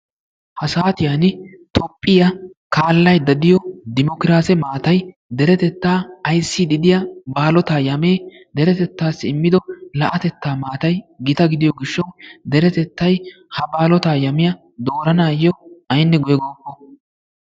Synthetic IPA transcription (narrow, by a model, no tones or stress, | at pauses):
hɐsaːt̪ɪjanɪt̪ɔpʼːɪjɐkaːlːɐjd̪ɐd̪ɪjɔd̪ɪmɔkɪɾaːsɛmaːt̪ɐj | d̪ɛɾɛt̪ɛt̪ːaːɐjsːid̪ɪd̪ɪjɐbaːlɔt̪aːjɐmeː | d̪ɛɾɛt̪ɛt̪ːaːsɪɪmːɪd̪ɔlɐʔɐt̪ɛt̪ːaːmaːt̪ɐjɡɪt̪ɐɡɪd̪ɪjɔɡɪʃːɐwd̪ɛɾɛt̪ɛt̪ːɐj | hɐbaːlɔt̪aːjɐmɪjɐ | d̪o̞ːɾɐnaːjːɔʔɐjnːɛɡɔjɡoːkːɔ